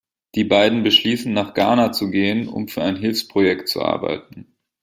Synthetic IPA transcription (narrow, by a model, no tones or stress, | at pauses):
d̥iːbaɪdn̩bəʃliːsn̩nːaːχɡ̥aːɐnat͡suɡeːənʊ̰mfyːɐaɪnɦɪlfspʁ̥ojɛktt͡sṵʔa̰ɐba̰ɪtn̩